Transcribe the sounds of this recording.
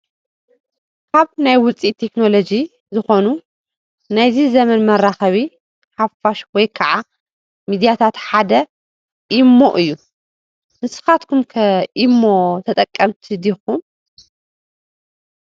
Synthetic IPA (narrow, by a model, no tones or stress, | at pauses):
kʰaβnajwʊt͡sʼit̪ʰːe̞kno̞lo̞d͡ʒi | zɨxo̞nu | najzizɐmɐnmɐɾaxɐβi | ħafaʃwɔjkʰɐʕa | mid̪ijat̪ʰat̪ħad̪ɐ | ʔimːo̞ʔɨjːu | nɨsɨ̥xat̪kʰumkʰɐʔimːo̞t̪ʰɐt̪ʼɐkʼːɐmt̪ʰid̪ixum